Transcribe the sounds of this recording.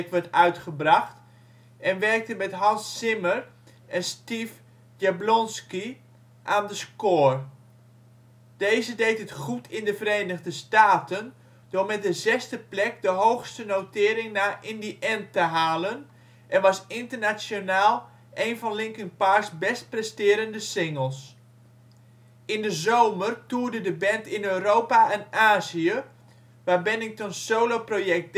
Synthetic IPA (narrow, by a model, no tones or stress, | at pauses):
kʋɛɹtœɥtχəbrɑxt | ɛnʋɛrk̚təmɛtɦɑnsːɪmər | ɛnstif | jjablɔnski | ʔaːndəskoːr | d̥ejzədejtətχutʰɪndəvəɾejnəɣdəstaːtən | dʊɹmɛt̚dəzɛstəplɛk̚dəɦowxstənowtɪːɾɪŋnaːʔɪndiʔɛntəɦaːlən | ʔɛnʋɑsɪntərnasjonaːlˠ | ʔejnvɔnlɪŋkənpasbɛst̚prɛstɪːɾəndəsɪŋəlˠs | ɪndəzowmərtuːrdədəbɛntɪnøɥɾowpaɛnaːziə | ʋaːbɛnɪŋk̚tɔnnsowloprojɛk̚